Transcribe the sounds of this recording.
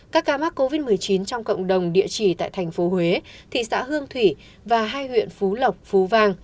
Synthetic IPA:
kaː˦˥kːaː˨˦ma˦˥k̚kːo˧vi˦˥t̚mɨ˨˩əjt͡ɕi˨˦nt͡ɕɔ˧wŋ͡mkə̰˧˨wŋ͡mɗə˨˩wŋ͡mɗḭ˧˨ət͡ɕi˧˩t̪a̰ː˧˨jt̪ʰɛ˨˩jŋ̟fo˨˦hwe˨˦t̪ʰḭ˧˨sa̰ː˧˥ɦɨ˧əŋt̪ʰwi˧˩ | vaː˨˩ɦaː˧jhwḭ˧˨ənfu˨˦lə˨˩wk͡p̚fu˨˦vaː˧ŋ

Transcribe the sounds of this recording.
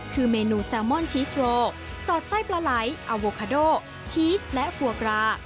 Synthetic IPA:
kʰɯː˧meː˧nuː˧sɛː˧wmɔ˥˩nt͡ɕʰiː˦˥sɾoː˧ | sɔː˨˩t̪̚sa˦˥˩jplaː˧la˩˦jʔa˧woː˧kʰaː˧doː˥˩ | t͡ɕʰiː˦˥slɛ˦˥fʰu˧ɐkɾaː˧˥

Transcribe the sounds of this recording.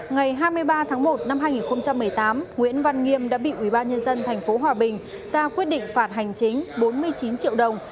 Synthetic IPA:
ŋa˨˩jɦaː˧jmɨ˧əjɓaː˧t̪ʰaː˨˦ŋmo˨˩t̚na˧mɦaː˧jŋi˨˩nxə˧wŋ͡mt͡ɕa˧mːɨ˨˩əjt̪aː˨˦mŋwḭ˧˥ənva˧nŋi˧əmɗa̰ː˧˥ɓḭ˧˨ʔwi˧˩ɓaː˧nɲə˧nzə˧nt̪ʰa˨˩jŋ̟fo˨˦ɦwaː˨˩ɓï˨˩ŋ̟ | zaː˧kwi˦˥ət̚ɗḭ̈˧˨ŋ̟faː˧˩t̚ɦa˨˩jŋ̟t͡ɕï˨˦ŋ̟ɓo˨˦nmɨ˧əjt͡ɕi˨˦nt͡ɕḭ˧˨əwɗə˨˩wŋ͡m

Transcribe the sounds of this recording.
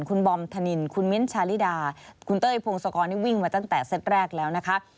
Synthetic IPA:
nkʰu˧nbɔ˧mt̪ʰa˧ni˧nkʰu˧nmi˦˥nt͡ɕʰaː˧li˦˥˩daː˧kʰu˧nt̪ɤː˥˩jpʰo˧ŋsɔ˧kɔː˧niː˥˩wi˥˩ŋmaː˧t̪a˥˩ŋt̪ɛː˨˩se˦˥t̪̚ɾɛː˥˩k̚lɛː˦˥wna˦˥kʰa˦˥ʔ

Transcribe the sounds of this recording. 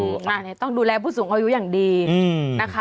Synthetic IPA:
na˧˩n˥˩t̪ɔ˥˩ŋduː˧lɛː˧pʰuː˥˩suː˩˦ŋʔa˧ju˦˥jaː˨˩ŋdiː˧na˦˥kʰa˦

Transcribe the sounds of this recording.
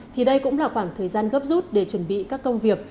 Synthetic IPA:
t̪ʰi˨˩ɗə˧jkʊ̰˧˥ŋ͡mlaː˨˩xwaː˧˩ŋt̪ʰəː˨˩jzaː˧nɣə˦˥p̚zu˦˥t̚ɗe˧˩t͡ɕwə˧˩nɓḭ˧˨kaː˦˥kːə˧wŋ͡mvi˨˩ək̚

